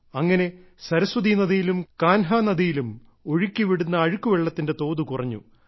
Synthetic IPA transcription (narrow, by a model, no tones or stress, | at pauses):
ɐŋːɐne̞ | sɐɾɐswɐd̪inɐðijilumkaːnɦaːnɐðijilum | o̞ɻikʲːiʋiɽunːɐːɻukːuʋeɭːɐt̪ːinde̞t̪o̞ːðukurɐɲːṵ